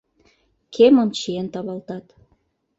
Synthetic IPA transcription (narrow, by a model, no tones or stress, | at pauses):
kʰemə̆nt͡ɕient̪ɑβɑlt̪ɑt̪